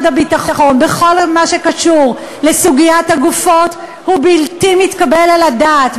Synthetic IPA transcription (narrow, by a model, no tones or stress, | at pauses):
dabitaχχo̞nbeχo̞lmaʃe̞kaʃuʁ | lesuɡijathaɡufo̞t | hubiltimitkabe̞laladaːt